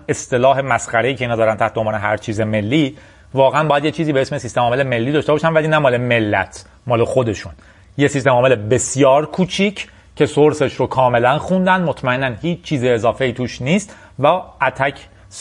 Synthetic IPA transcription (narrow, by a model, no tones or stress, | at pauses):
e̞st̪e̞lɒːɦe̞mæsxæɾe̞iːcʰe̞iːnhɒd̪ɒːɾænt̪ʰæht̪ombːneɦæɾt͡ʃʰiːzeme̞lːiː | vɒːɣeænbɒːjæd̪jet͡ʃʰiːziːbe̞esmesist̪emɒːmeleme̞lːiːd̪ɒːʃt̪ebɒːʃænvæliːnæmɒːle̞me̞lːæ̰t̪ʰ | mɒːle̞xo̞d̪e̞ʃun | jesist̪e̞mɒːme̞le̞be̞sijɒːɾkʰuːt͡ʃʰiːcʰ | cʰe̞soɾse̞ʃɾokʰɒːme̞lænxund̪ænd̪mot̪ʰmæenːænhiːt͡ʃʰt͡ʃʰːiːziezɒːfe̞iːt̪ʰuːʃniːst̪ | vææt̪ʰæcʰ